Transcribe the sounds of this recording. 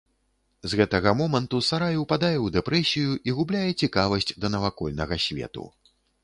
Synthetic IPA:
zɣɛt̪ɐɣɐmɔmɐnt̪usaɾajɛwpad̪ajɛwd̪ɛpɾɛsʲijuʔiɣublʲajɛt͡sʲikavɐsʲt͡sʲd̪ɐnɐvakɔlʲnɐɣɐsʲvʲɛ̰t̪ṵ

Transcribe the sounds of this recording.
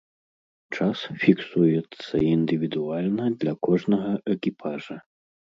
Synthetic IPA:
t͡ʂasfʲiksujɛt̪sːɐ̰ind̪ɨvʲid̪ualʲnɐd̪lʲɐkɔʐnɐɣɐʔɛkʲipʰaʐɐ

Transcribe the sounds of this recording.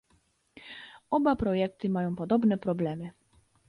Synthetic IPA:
ɔbapɾɔjɛk̚t̪ɘmajɔ̃w̃pɔd̪ɔbnɛpɾɔblɛmɘ

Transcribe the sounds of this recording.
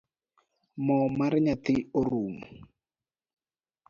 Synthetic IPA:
mɔmaɾɲat̪ioɾuːmu

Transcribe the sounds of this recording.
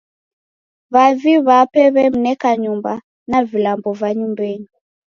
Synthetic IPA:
βaviβapɛβɛm̩nɛkaɲumba | navilambɔvaɲumbɛɲi

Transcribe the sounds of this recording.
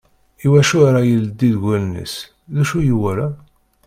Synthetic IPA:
iwæʃʊɾajəld̪ːiðɡælənə̰s | ðæʃujuwæɾa

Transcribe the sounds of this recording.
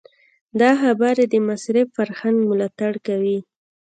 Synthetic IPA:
d̪ɑxabɑɾed̪əmasɾɪfːaɾxanɡmʊlɑt̪aɽkawi

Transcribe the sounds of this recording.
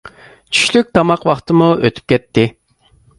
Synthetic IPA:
t͡ʃʰy̥ʃlyk̚ʲt̪ʰɑmɑqwɑχt̪ɨmuøt̪ʰy̥p̚kʲʰɛt̪ʰːɪ

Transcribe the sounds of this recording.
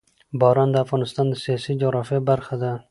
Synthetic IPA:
bɑɾɑnd̪əafɣɑnɪst̪ɑnd̪əsijɑsid͡ʒʊɣɾɑfjabaɾxad̪a

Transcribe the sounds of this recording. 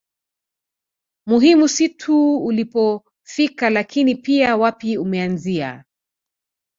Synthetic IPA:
muɦimusitʰuːlipɔ | fikalakʰinipiawapiumɛanzia̰

